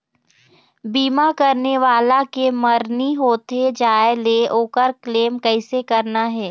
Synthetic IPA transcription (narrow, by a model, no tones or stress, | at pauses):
biːmakɐɾneʋaːlakemɐɾniɦoːt̪ed͡ʒaːeleʔoːkəɾkleːmkɛɪsekɐɾnaɦɛː